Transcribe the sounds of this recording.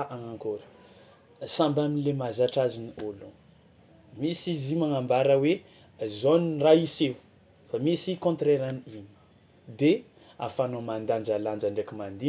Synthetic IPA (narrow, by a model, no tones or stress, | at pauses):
ʔaŋaŋkoɾə̥ | sãmbaminlemazaʈ͡ʂaziniolu | misizimaŋambaɾəwe | zoniraisew | famisikõnt̪ɾeɾaniim | d̪e | a̰fanomand̪and͡ʒaland͡ʒaɳɖ͡ʐekimand̪i